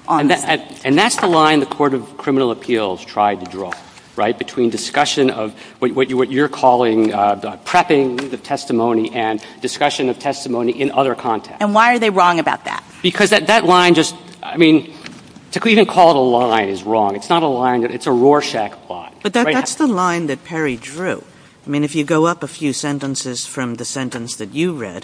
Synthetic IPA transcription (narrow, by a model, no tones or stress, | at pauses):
ʔñɨ̃nðætsðəlãɪ̃nðɨkʰɔɹɾʌv̥kʰɹ̥ɪ̃mənl̩ˠəpʰilˠz̥tʰɹ̥aɪd̚tʰɨdɹɔ̰ | ɹaɪt̚b̥ɨtʰw̥ĩndɨskʌʃɨ̃nʌ̰vwʌt͡ʃwʌt͡ʃwʌt͡ʃə˞kʰɔlˠɪ̃ŋpʰɹ̥ɛpɪ̃ŋðɨtʰɛstɨmõʊ̃niʔɨ̃ndɨskʌʃɨ̃nʌv̥tʰɛstɨmõʊ̃niʔɨ̃nʌðə˞kʰɑ̃ntʰɛ̰kɨ̃nwaɪə˞ðeɪɹɔ̃ŋɨbaʊt̪̚ðæ̰t̚b̥ɨkʰʌzðɨt̪̚ðɨtˡlãɪ̃nd͡ʒʌst | a̰ɪmĩn | tʰɨkʰivɨ̃nkʰɔlˠəɾəlãɪ̃nɨzɹɔ̃ŋɨtsnəɾəlãɪ̃nbʌɾɨtsəɹɔɹʃækpʰl̥ɑ̰t̚b̥ʌt̪̚ðɨt̚ðæsðəlãɪ̃nðɨt̚pʰɛɹidɹʉ | aɪmĩnɨfjɨɡoʊʌpəfjʉsɛ̃ntə̃nsɪz̥fɹʌ̃mðɨsɛ̃ntɨ̃nsðɨt͡ʃɨɹɛ̰d̥